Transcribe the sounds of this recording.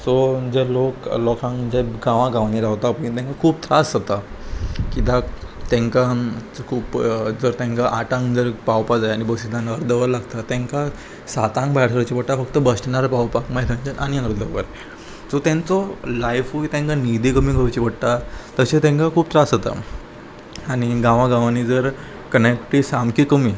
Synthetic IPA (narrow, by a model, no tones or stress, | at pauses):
sɔd͡zɛloklɔkãŋd͡ʑɛɡãʋãɡãʋniɾawt̪apənit̪ɛ̃ŋkakʰuːpt̪ɾasət̪a | kit̪at̪ɛ̃ŋkakʰuːpd͡zəɾt̪ãŋkaʔaʈãŋɡd͡zəɾpawpad͡zajañibəɡsid̪ʱanəɾd̪əʋəɾlaɡt̪at̪ɛ̃ŋka | sat̪ãŋɡbajɾt̪ʰəɾt͡ɕipəɽʈ̪afəkt̪əbəsʈnaɾpawpakmaɦit̪ʋə̃ɲt͡ɕenʔaɽ̃iəɾd̪əʋə̰ɾ | d͡zɔt̪ãnt͡sɔlajfuit̪ɛ̃ŋkanid̪ʱikəmiɡʱəʋt͡ɕipəɽt̪at̪əɕet̪ẽŋkakʰuːpt̪ɾasət̪a̰ | aɽ̃iɡãʋãɡãʋanid͡zəɾ | kənek̚ʈisamkikəmi